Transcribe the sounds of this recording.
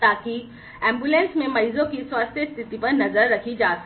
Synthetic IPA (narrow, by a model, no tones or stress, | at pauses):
t̪aːki | ɛ̃ːmbjulẽːnsmẽmɐizõkiswaːst̪ʰjəst̪ʰɪt̪ipɐɾnɐzəɾːɐkʰid͡ʒaːs